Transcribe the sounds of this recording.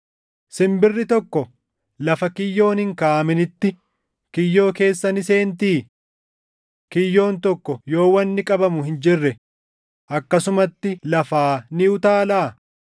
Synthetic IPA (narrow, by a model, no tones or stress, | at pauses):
sɪmbɪrːɪt̪ɔkːɔ | lɐfɐkɪjːo̞ːnhɪŋkaːɐmɪnɪt̪ːɪ | kɪjːo̞ːke̞ːsːɐnɪse̞ːnt̪iː | kɪjːo̞ːnt̪ɔkːɔjo̞ːwɐnːɪkʼɐbɐmʊhɪnd͡ʒɪrːɛ | ʔɐkːɐsʊmɐt̪ːɪlɐfaːnɪʊt̪aːlaː